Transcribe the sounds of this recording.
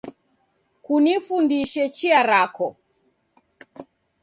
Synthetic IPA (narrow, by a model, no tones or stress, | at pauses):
kunifundiʃɛt͡ʃiaɾakɔ